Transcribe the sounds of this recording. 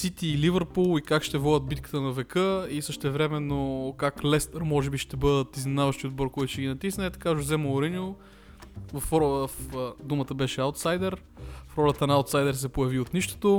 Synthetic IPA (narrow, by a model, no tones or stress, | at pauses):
sit̪iːlivəɾpulˠikakʃt̪ɛvɔd̪əd̪̚bit̪̚kə̥t̪ənɐvɛkɤisəʃt̪ɛvɾɛmɛnːokaklɛst̪əɾmɔʒɛbiʃt̪ɛbɤd̪ət̪izminavəʃt̪iod̪̚bɔɾkɔjt̪ʊ̥ʃt̪ɛɡʲinɐt̪isnɛt̪ɐ̥kaʒozɛməʊɾɛno | vɐffd̪umət̪əbɛʃɛaʊwt̪sajd̪ɛɾ | fɾɔlʲɐt̪ənɐawt̪sajd̪ɛɾsɛpojɐviot̪niʃt̪o̥t̪o